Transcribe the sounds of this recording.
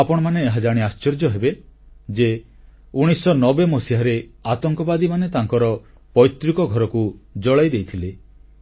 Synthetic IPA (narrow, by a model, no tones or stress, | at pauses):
apɔɽ̃ɔmaneːɦad͡ʒaɽ̃iast͡ʃeɾd͡ʒɔɦebe | d͡ʒe | uɽ̃isɔnɔbemɔsiɦaɾeat̪ɔŋkɔbad̪imanet̪aŋkɔɾɔ | pɔjt̪ːɾikɔɡʱɔɾɔkud͡ʒɔɭajd̪ejt̪ʰile